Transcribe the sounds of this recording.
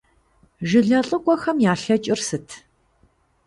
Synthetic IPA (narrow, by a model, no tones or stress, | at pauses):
ʒɪɮɐɬʼəkʷʼɔxɐmjaːɬɐt͡ʃʼɪrsɨtʰ